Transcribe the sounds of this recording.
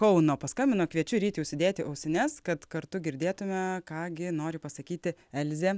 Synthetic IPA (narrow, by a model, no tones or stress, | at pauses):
kɐʊnoːpɐskɐmʲbʲɪnoːkʋʲiɛt͡ʃʲʊɾʲiːt̪ʲjɛʊsʲɪd̪ʲeːt̪ʲɪʔɐʊsʲɛnʲɛskɐt̪kɐɾt̪ʊɡʲɪɾʲd̪ʲeːt̪ʊmʲɛkɑːɡʲɪnoːɾʲɪpɐsɐkʲiːt̪ʲɪɛlʲzʲeː